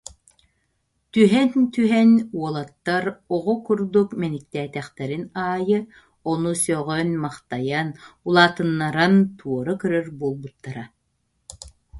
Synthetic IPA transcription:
t̪yɦɛnt̪yɦɛnuɔlˠat̪ːaɾɔʁɔkuɾd̪ukmɛnik̚t̪ɛːt̪ɛχt̪ɛɾinaːjɯ | ɔnusœʁœnmaχt̪ajanulˠaːt̪ɯnːaɾant̪ʰuɔɾɯkœɾœɾbuɔlˠbut̪ːaɾa

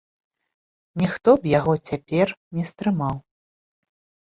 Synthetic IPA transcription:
nʲixt̪ɔbjaɣɔt͡sʲapʲɛrnʲɛst̪ɾɨmaw

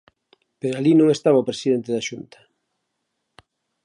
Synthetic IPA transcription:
peɾoalinõŋest̪aβaopɾesiðent̪eðaʃunt̪ɐ̥

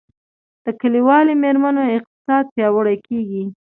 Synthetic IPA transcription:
d̪̥əkəliwɑlemeɾmanoɪq̚t̪ɪ̥sɑd̪̚pjɑwəɽajkeɡi

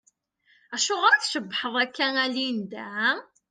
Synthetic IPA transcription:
æʃʊʁəɾæθʃəbːħəðˤækːænælind̪æ

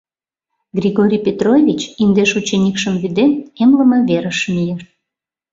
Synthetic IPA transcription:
ɡrʲiɣoɾʲipʲet̪rovʲit͡ɕind̪eʃut͡ɕenʲikʃəmβyd̪ememləməβeɾəʃmijeʃ

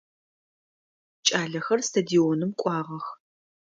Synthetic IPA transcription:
t͡ʃʼaːɮɐxɐrstʰɐdionɨmkʷʼɑːʁɐx

